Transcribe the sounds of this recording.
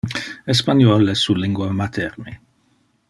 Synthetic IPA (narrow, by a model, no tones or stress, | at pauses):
ɛs̬panjɔlɛsuliŋɡwamat̪ʰɛɾni